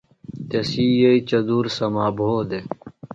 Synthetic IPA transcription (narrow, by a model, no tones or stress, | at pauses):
t̪esiːjɐit͡ɕɐd̪uːɾsɐmaːbʱoːd̪e